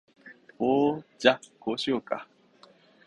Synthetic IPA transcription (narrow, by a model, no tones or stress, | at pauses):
oːd͡ʑakoːɕijoːka̰